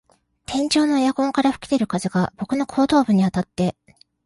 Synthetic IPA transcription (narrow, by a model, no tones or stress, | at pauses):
t̪ʰẽ̞ɲt͡ɕo̞ːno̞jakõ̞ŋkaɾaɸɯ̟̥kʲi̥t̪e̞ɾɯ̟kazɨɡab̥o̞kɯ̟no̞kʰo̞ːt̪o̞ːbɯ̟ɲ̟iat̪at̪ːe̞